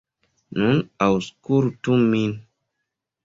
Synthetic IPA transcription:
nunawskuɾtumːin

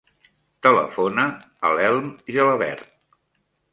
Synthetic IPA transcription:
t̪ələ̰fonə | əlɛlˠmiələβɛ̰ɾt̪̚

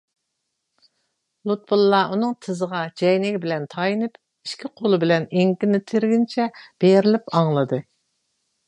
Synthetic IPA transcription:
lˠut̪̚bulˠːɑunɨŋt̪ʰɨzəʁɑd͡ʒɛjnɪɡʲbɪlɛnt̪ʰɑjinɨp | iʃkʲʰiqʰolˠɨbɪlɛneŋkʲɪnɪt̪ʰɪɾɡʲint͡ʃʰɛb̥eɾɪlɪpɑŋlˠɨd̪ɨ

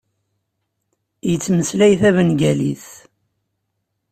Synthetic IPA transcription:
jət͡sːməslæjθævənɡælḭθ

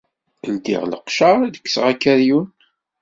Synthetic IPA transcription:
ənd̪ḭʁləqʃaʁðəkːsʁækːæɾjun

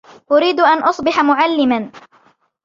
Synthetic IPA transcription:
ʔʊɾiːd̪ʔanʔɑsˤbɪħamʊʕalːɪman

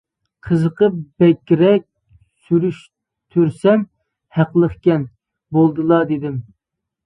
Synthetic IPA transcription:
qʰəzəqəp̚b̥ɛkʲːɾɛk̚ʲ | syɾyʃ | t̪ʰyɾsɛm | hæqlˠəχkʲɛn | bolˠd̪ɨlˠɑd̪ed̪ɪm

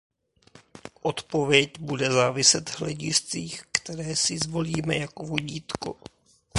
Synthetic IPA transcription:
ʔo̞t̪po̞vjɛcbudɛzaːvɪsɛt̪ɦlɛɟɪst͡siːxkt̪ɛɾɛːsɪzvo̞liːmɛjakovoɟiːt̪ko̰

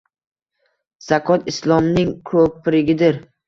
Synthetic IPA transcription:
z̥akʰɒt̪ʰɪslˠɒmnɪŋkʰɵppːɪɾɪɡʲɪd̪ɪɾ

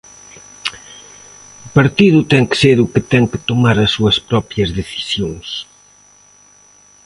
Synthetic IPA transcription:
pɐɾt̪iðʊt̪ɛŋkɪ̥seɾukɪt̪ɛŋkɪ̥t̪omaɾɐsːuɐspɾɔpjɐzðeθi̥sjoŋs

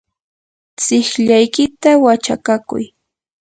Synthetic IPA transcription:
t͡sɪxʎajkɪt̪awat͡ʃa̰kakʊ̰j

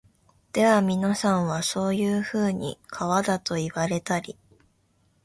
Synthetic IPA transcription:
d̪̥e̞βamʲinasãɰ̃βaso̞ːjɯːɸɯ̟ːɲ̟ḭkʰaβad̪at̪o̞iβaɾe̞t̪aɾʲi

